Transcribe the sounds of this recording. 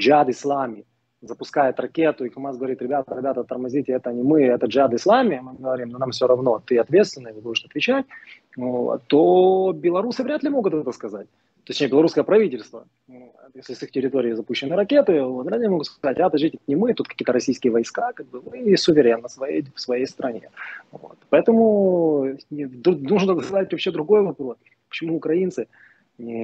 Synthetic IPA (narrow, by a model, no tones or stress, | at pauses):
d͡ʒad̪ɨslˠamʲɪ | zəpʊskajɪt̪rɐkʲet̪ʊɪxɐmasɡəvɐɾʲit̪ɾʲɪbʲat̪əɾʲɪbʲat̪ət̪ərmɐzʲitʲɪɛt̪ənʲɪmɨɛt̪əd͡ʒad̪ɨslˠamʲɪmɨɡəvɐɾʲimnonamfsʲoɾɐvno̞t̪ɨɐt̪vʲe̞t̪st̪vʲɪnːəvɨb̪ud̪ʐt̪ɐt̪vʲɪt͡ɕæt̚ʲ | o̰t̪obʲɪlˠɐɾusɨvɾʲat̪lʲɪmo̞ɡʊt̪ɛt̪əskɐzat̚ʲ | t̪osʲtnʲebʲlˠɐɾuskəjəpɾɐvʲitʲɪlʲst̪və | jesʲlʲɪsɨxtʲɪɾʲɪt̪o̞ɾʲɪːzɐpuɕːɪnːɨɾɐkʲe̞t̪ɨvot̪vɾʲæt̪lʲɪmo̞ɡʊt̪skɐzatʲad̪ɐʐitʲɪt̪nʲɪmɨt̪ut̪̚kɐ̥kʲijət̪əɾɐsʲijskʲɪjəvɐjskakaɡ̚bɨmɨsʊvʲɪɾʲenːəsvɐjejfsvɐjejst̪ɾɐnʲḛvo̰t̪pɐɛt̪əmʊ | nʲd̪ɾunuʐɨnt̪ək̪ɐzat̚ʲvɐpɕed̪ɾʊɡo̞jvɐpɾo̞s | pə̥t͡ɕɪmuːkɾɐint̪sɨ | nʲɪ